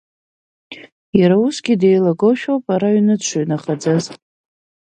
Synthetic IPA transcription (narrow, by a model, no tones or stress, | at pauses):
jaɾausɡʲidejlaɡoʃᶣowpʼaɾaɥnɨt͡ʃʷʰaɥnaχad͡zaz